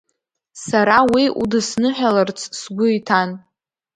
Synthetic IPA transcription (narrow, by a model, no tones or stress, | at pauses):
saɾawiṵdɨsnɨħʲʷᶣalərt͡sʰsɡʷʊitʰan